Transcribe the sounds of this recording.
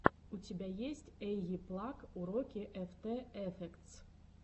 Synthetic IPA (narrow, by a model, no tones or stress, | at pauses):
utʲebʲæjesʲtʲɛjɣiplˠakuɾokʲiʔɛft̪ɛɛfʲɛkt̪s